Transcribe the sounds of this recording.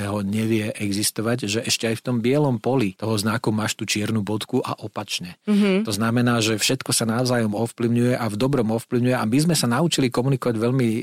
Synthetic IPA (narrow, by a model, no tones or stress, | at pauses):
ɦɔɲɛʋɪɛʔɛɡzist̪ɔʋaɟʒɛʔɛʃcɛajft̪ɔmbɪɛlɔmpɔlit̪ɔɦɔznakumaːʃt̪ut͡ʃɪɛɾnubɔt̪kuʔa̰ʔɔpat͡ʃɲɛt̪ɔznamɛnaːʒɛfʃɛt̪kɔsanaʊzaːjɔmɔfpliʊɲujɛʔavd̪ɔbɾɔmɔfpliʊɲujɛamizmɛsanaut͡ʃilikɔmunikɔʋaɟʋɛʎmi